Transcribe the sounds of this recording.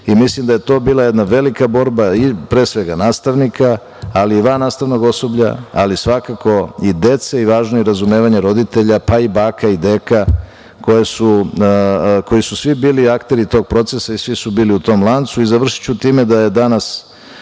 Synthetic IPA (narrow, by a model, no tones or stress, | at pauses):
imislimd̪aje̞t̪o̞ːbiːlaje̞d̪naʋe̞likabo̞ɾbaipɾe̞ːsʋe̞ɡanaːst̪aʋnikʰaː | liːʋaːnaːst̪aʋno̞ɡo̞so̞bʎa̰a̰lisʋakako̞id̪e̞t̪seiʋaːʒnojeɾazume̞ːʋaɲeɾo̞d̪it̪e̞ʎapaibaːkaid̪eːka | ko̞jesu | ko̞jisusʋibiːliakt̪e̞ɾit̪o̞ːɡ̚pɾo̞t̪se̞saisʋisubiːliut̪o̞ːmlˠant̪suizaʋr̩ʃi̥t͡ɕut̪iːme̞d̪aje̞d̪anas